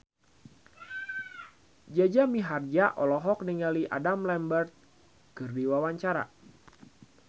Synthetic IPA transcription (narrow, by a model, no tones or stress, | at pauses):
d͡ʒad͡ʒamiɦard͡ʒaʔɔlɔɦɔk̚niŋaliʔa̰damlɛmbərt̪̚ | kɨrdiwawaɲt͡ʃaɾa̰